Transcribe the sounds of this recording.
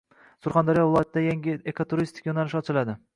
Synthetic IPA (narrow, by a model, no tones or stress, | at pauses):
sʊɾχand̪aɾijɒvɪlˠɒjat̪ɪd̪ajaŋʲɪekʰot̪ʰuɾist̪ɪ̥kʲjonalɪʃɒt͡ʃʰɪlad̪ɪ